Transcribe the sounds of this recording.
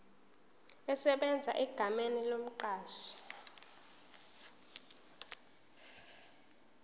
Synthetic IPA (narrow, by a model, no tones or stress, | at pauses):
ɛsɛɓɛnd͡zʱa̰ʔɛɡ̥ʱamenilom̩ǃaːʃi̥